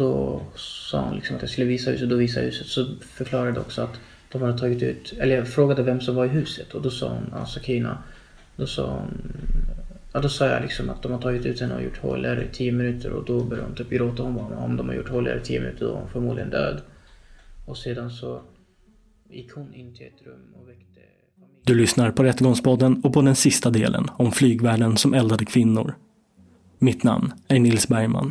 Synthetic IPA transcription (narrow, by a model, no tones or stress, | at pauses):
d̪ɔsɑ̰ːhʊnlɪksɔmat̪jaskɵlːəviːsahʉ̟ːsd̪ɔviːs̬ahʉ̟ːsət̪sɔfœɾkʰlɑːɾad̪əɔ̰ksɔat̪ | d̪̥ɔmhad̪ət̪ʰɑːɡɪt̪ʉ̟ːt̪ɛlːəfɾoːɡad̪əvɛmsɔmvaɾɪɦʉ̟ːsət̪ʰɔd̪ɔsɑ̰ːhʊ̰na̰nsakʰina̰ | d̪ɔsɑ̰ːhʊ̰n | jɑd̪ɔsɑːja̰lɪksɔmat̪̚d̪ɔmhadt̪ʰɑːɡɪt̪ʉ̟ːt̪hɛnːəɔ̰jʊ̰ʈːho̰ːlɾə̰t̪ʰiːəmɪnʉːt̪ʰəɾɔ̰d̪ɔbœːɾja̰hʊmt̪ʰyːpɡɾoːt̪ahɔnvamɔ̰md̪ɔmhaɾjʊ̰ʈːhoːlːa̰ɾət̪ʰiːmɪnʉ̟ːt̪əd̪ɔv̰hʊ̰nfɔɾmuːd̪ɪɡənd̪øːd̪ | ɔseːd̪ansɔ | jɪkːhʊnɪnːt̪ʰɪlɛt̪ɾɵmːɔvɛkt̪ə | d̪ɵlʏsnaɾpʰɔɾɛt̪ːəɡɔŋspɔd̪ːənɔpʰɔd̪ɛnsɪst̪ad̪ḛːlə̰nɔmflyːɡvæːɖənsɔmɛld̪ad̪əkʰv̥ɪnːʊ̰ɾ | mɪt̪na̰mnæɳɪlsbæɾjma̰n